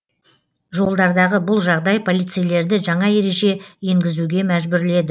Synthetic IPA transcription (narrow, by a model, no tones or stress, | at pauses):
ʒo̞lˠd̪ɑɾd̪ɑʁəbʊlˠʒɑʁd̪ɑjpʰo̞lijt̪sɨjle̞ɾd̪ɪʒɑɴɑe̞ɾe̞ʒe̞je̞ŋɡʲɪzuɡʲe̞mæʒbʏɾle̞d̪ɪ